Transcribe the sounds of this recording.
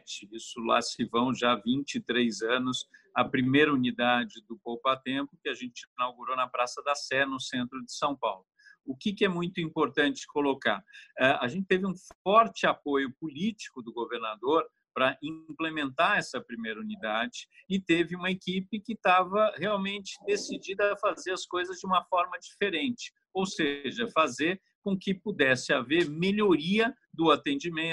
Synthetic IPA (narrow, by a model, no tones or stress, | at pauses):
t͡ʃɪisʊla̰sɪvɐ̃w̃ʒavĩt͡ʃɪt̪ɾejzɐ̃nʊsɐpɾimejɾɐunid̪ad͡ʒɪd̪ʊpowpat̪ẽmpʊkɪaʒẽnt͡ʃɪnawɡuɾonɐpɾasɐd̪ɐsɛnʊsẽnt̪ɾʊd͡ʒɪsɐ̃w̃pawlʊʊkɪkɪɛmũj̃t̪ʊĩmpoɾt̪ɐ̃nt͡ʃɪ̥kolokaɛa̰ʒẽnt͡ʃɪ̥t̪evɪũfɔɾt͡ʃɪapojʊpulit͡ʃi̥kʊd̪ʊɡoveɾnad̪oɾ | pɾɐʔĩplemẽnt̪aɛsɐpɾimejɾɐunid̪ad͡ʒɪɪt̪evɪũmɐekipɪkɪt̪avɐheawmẽnt͡ʃɪ̥d̪esid͡ʒid̪ɐfazeɾɐskojzɐzd͡ʒɪũmɐfɔɾmɐd͡ʒifeɾẽnt͡ʃɪ̥ | owseʒɐfazeɾ | kõkɪpud̪ɛsɪaveɾmeʎoɾiɐ | d̪ʊat̪ẽnd͡ʒimẽ